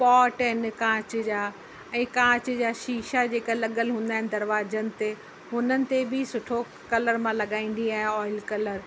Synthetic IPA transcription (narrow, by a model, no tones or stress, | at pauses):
pɔːʈɪnkãːt͡ɕd͡ʑaː | ɛ̃ːkãːt͡ɕd͡ʑaːʃiːʃad͡ʑeːkalɐɠəlɦũːnd̪aɦɪnɪd̪ɐɾʋaːd͡ʑənɪ̆t̪e | ɦʊnənɪ̆t̪ebɪsʊʈʰo | kɐləɾmãlɐɠaːĩːn̆d̪iaːɦɪ̃ɔːɪlkɐləɾ